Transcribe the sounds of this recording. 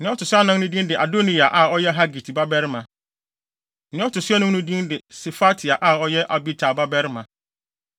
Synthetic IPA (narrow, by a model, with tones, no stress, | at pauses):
nɪ̃˦ɔ˦tʊ˨sʊ˦a˦nã˦ŋnʊ̃˦dĩ˦ndɪ˨ʔa˨do˦nĩ˨a˨ʔa˨ɔ˦jɛ˦ɦa˦ɡi˨tʰi˨ba˦bɛ˦ɾmã˨ | nɪ̃˦ɔ˦tʊ˨sʊ˦a˦nʊ̃˦nʊ̃˦dĩ˦ndɪ˨se˨fa˦tʰi˨a˨ʔa˨ɔ˦jɛ˦ʔa˨bi˦tʰa˨ba˦bɛ˦ɾmã˨